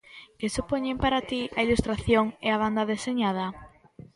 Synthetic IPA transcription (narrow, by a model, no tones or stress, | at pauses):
kesupoɲempaɾat̪iʔailust̪ɾaθjoŋeaβ̞and̪aðeseɲað̞ɐ